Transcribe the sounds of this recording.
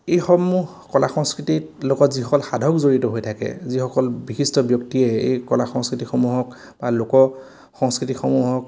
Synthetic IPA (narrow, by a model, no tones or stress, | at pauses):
ejxɔmuɦ | kɔlaxɔŋskɹitilokɔtzixɔkɔlxadʱɔkzoɹitɔɦojtʰakɛ̰zixɔkɔlbixistɔbjɔktiɛḛjkɔlaxɔŋskɹitikxɔmuɦɔk | b̥alokɔ | xɔŋskɹitikxɔmuɦɔk